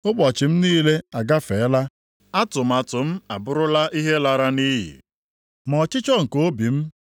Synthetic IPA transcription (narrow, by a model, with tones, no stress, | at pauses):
ʊ˦k͡pɔ˨t͡ʃɪ˨m̩˦niː˦le˦a˨ɡa˦fe˨˦la˦ | a˦tʊ˨m̩˨a˨tʊ˨m̩˦a˨bʊ˦ɾʊ˦la˦ʔi˦ɦe˦la˨ɾa˦ni˦ɦḭ˨ | mɔ˨t͡ʃɪ˦t͡ʃɔ˦ŋ̩˨ko˦bi˨m̩˦